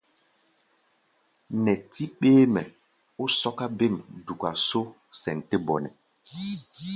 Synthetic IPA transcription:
nɛ˨ti˦k͡peː˦mɛ˨ | u˦sɔ˦ka˦be˦˨m˨du˨kʷa˨so˦ | sɛ˨n̩˨te˦bɔ˨nɛ˨

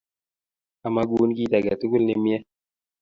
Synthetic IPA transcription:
a˨ma˦ɡu˨˦n˦ki˦ta˨ɡa˨ti˦ku˦lne˨mjɛ˦

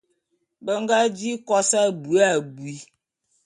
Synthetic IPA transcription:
bə˦ŋ˦ɡa˦d͡ʒi˦kɔ˦sa˦˨bu˨a˦˨bu˨i˦

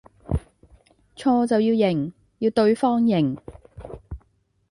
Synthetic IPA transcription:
t͡sʰɔː˧t͡sɐ˨wjiː˧wjɪ˨˩ŋ | jiː˧wt̪ɵ˧ɥfɔː˥ŋjɪ˨˩ŋ

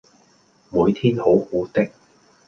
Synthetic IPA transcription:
muː˨˧jt̪ʰiː˥nho˨˥whuː˨˥t̪ɪ˥k̚

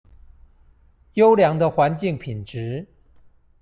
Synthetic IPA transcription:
jo˥ʊljɑ˧˥ŋd̪ə˧xwa˧˥nt͡ɕi˥˩ŋpʰi˨˩nʈ͡ʂɻ̩˧˥

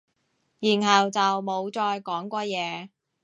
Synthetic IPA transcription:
jiː˨˩nɦɐ˨wt͡sɐ˨wmo˨˧wt͡ʃɔː˧jkɔː˨˥ŋkʷɔː˧jɛː˨˧

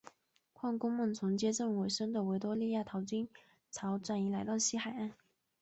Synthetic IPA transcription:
kʰwɑ˥˩ŋkʊ˥ŋmɤ˥˩ŋt͡sʰʊ˧˥ŋt͡ɕjɛ˥ʈ͡ʂɤ˥˩ŋwe˨˩ɪʂə˥ŋd̪ə˨we˧˥ɪt̪wɔ˥li˥˧ja˥˩t̪ʰɑ˧˥ʊt͡ɕy˥n | t͡sʰɑ˧˥ʊʈ͡ʂwa˥˩ni˧˥la˧˥ɪt̪ɑ˥˧ʊɕi˥xa˨˩ɪa˥˩n

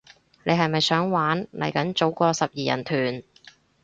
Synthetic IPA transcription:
ne˨˧ɦɐ˨jmɐ˨jsœː˨˥ŋwaː˨˥nlɐ˨˩jkɐ˨˥nt͡so˨˥wkɔː˧sɐ˨p̚jiː˨jɐ̰˨˩nt̪ʰyː˨˩n

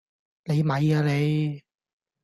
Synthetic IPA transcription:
ne˨˧jmɐ˨jaː˧le˨˧j

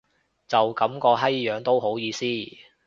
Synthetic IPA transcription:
t͡sɐ˨wkɐ˨˥mkɔː˧ɦɐ˥jjœː˨˥ŋt̪o˥wɦo˨˥wjiː˨˧siː˥˩

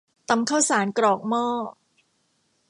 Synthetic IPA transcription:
t̪a˧mkʰaː˥˩wsaː˩˦nkɾɔː˨˩k̚mɔː˥˩

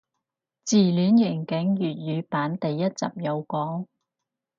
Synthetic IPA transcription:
t͡siː˨˩lyː˨˧njɪ˨˩ŋkɪ˨˥ŋjyː˨t̚jyː˨˧paː˨˥nt̪e˨jːɐ˥t̚t͡sɐ̰˨p̚jɐ˨˧wkɔː˨˥ŋ

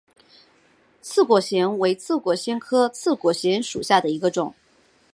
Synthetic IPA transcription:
t͡sʰɹ̩˥˩kwɔ˧˥ɕjɛ˧˥nwe˧˥ɪt͡sʰɹ̩˥˩kwɔ˧˥ɕjɛ˥nkʰɤ˥t͡sʰɹ̩˥˩kwɔ˨˩ɕjɛ˧˥nʂṵ˨˩ɕja˥˩d̪ə˩i˧˥ɡə˧ʈ͡ʂʊ̰˨˩˦ŋ

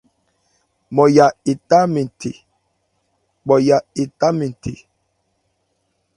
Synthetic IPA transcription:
mɔ˨ja˨e˨ta˦mi˨n˨tʰḛ˨ | ɓɔ˨ja˨e˨ta˦mi˨tʰḛ˨

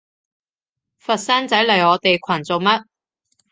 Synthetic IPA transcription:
fɐ˨t̚sɐː˥nt͡sɐ˨˥jlɐ˨˩jɔː˨˧t̪e˨jkʷʰɐ˨˩nt͡so˨wmɐ˥t̚

